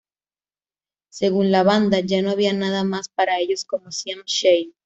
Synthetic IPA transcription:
se̞ɣunlaβand̪aʝano̞aβianaðamaspaɾae̞ʝo̞skomosjaŋʃej

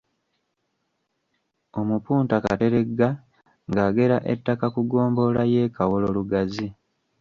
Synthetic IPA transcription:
o̞mupuːntaka̰te̞ɾe̞ɡːa | ŋɡaːɡe̞ɾaʔe̞̰tːakakuɡo̞ːmbo̞laje̞ːkawolo̞luɡazi

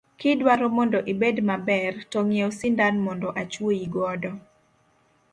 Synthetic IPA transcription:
kɪdwaɾɔmɔndɔʔibedmabɛrtɔŋjosɪndanmɔndɔʔat͡ʃwoiɡɔdɔ

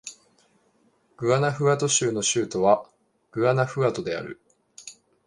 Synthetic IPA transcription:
ɡ̥ɯ̟anaɸɯ̟at̪o̞ɕɨːno̞ɕɨːt̪o̞βa | ɡ̥ɯ̟anaɸɯ̟at̪o̞d̪e̞a̰ɾɯ̟̰

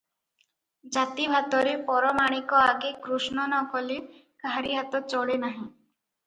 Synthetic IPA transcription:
d͡ʒat̪ibʱat̪ɔɾepɔɾɔmaɽ̃ikɔaɡekɾusnɔnɔkʰɔli | kaɦɾiɦat̪ɔt͡ʃɔɭenaɦĩ

